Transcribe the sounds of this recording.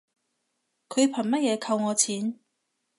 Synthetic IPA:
kʰɵ˨˧ɥpʰɐ˨˩nmɐ˥t̚jɛː˨˧kʰɐ˧wŋɔː˨˧t͡sʰiː˨˥n

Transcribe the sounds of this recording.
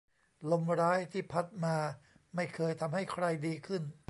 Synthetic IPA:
lo˧mɾaː˦˥jt̪ʰiː˥˩pʰa˦˥t̪̚maː˧ | ma˥˩jkʰɤː˧jt̪ʰa˧mɦa˥˩jkʰɾa˧jdiː˧kʰɯ˥˩n

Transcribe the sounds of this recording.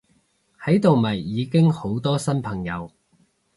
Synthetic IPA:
hɐ˨˥jt̪o˨wmɐ˨˩jːiː˨˧kɪ˥ŋho˨˥wt̪ɔː˥sɐ˥npʰɐ˨˩ŋjɐ˨˧w

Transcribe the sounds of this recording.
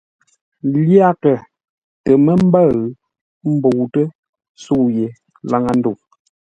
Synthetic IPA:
lja˦˨kə˨ | tə˨mə˦m̩˦bə˦˨ɣ | m̩˦bo˨wtə˦ | su˦˨je˨ | la˦˨ŋa˨n̩˦du˨

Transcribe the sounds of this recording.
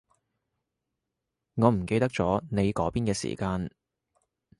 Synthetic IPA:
ŋɔː˨˧m̩˨˩ke˧jt̪ɐ˥k̚t͡sɔː˨˥ne˨˧jkɔː˨˥piː˥nkɛː˧sḭː˨˩kaː˧n

